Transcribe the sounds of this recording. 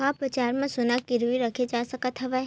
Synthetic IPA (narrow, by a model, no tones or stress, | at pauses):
apɾət͡ʃaɾmãsʊnakiɾʋiɾəkʰed͡ʒasəkat̪ʰəʋa